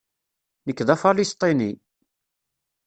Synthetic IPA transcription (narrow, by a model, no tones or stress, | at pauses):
nəkːðæfɑlist̪ˤini